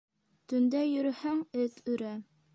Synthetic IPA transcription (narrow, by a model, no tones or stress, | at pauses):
t̪ɵ̆nd̪æjɵ̆ɾɘhæŋɘt̪ʉɾæ